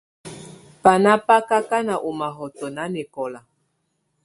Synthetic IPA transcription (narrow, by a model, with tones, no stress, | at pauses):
pa˨na˦pa˦ka˦ka˦na˨ʔu˨ma˨ɦɔ˨tɔ˨na˦nɛ˨kɔ˨la˨